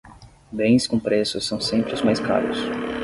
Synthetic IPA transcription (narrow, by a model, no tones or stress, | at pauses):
bẽj̃skõpɾesʊsɐ̃w̃sẽmpɾɪʊzmajska̰ɾʊ̰s